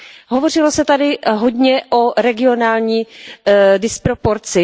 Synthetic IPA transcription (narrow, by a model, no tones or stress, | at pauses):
ɦovo̞r̝ɪlo̞sɛt̪adɪɦodɲɛʔo̞ɾɛɡɪo̞naːlɲiː | dɪspɾopoɾt͡sɪ